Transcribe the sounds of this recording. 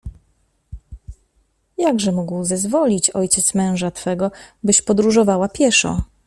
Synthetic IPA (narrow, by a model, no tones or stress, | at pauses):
jaɡʐɛmuɡwzɛzvɔlʲit͡ɕɔjt͡ɕɛt̪smɛ̃w̃ʐat̪fɛɡɔbɘɕpɔd̪ɾuʐɔvawapʲjɛʂɔ̰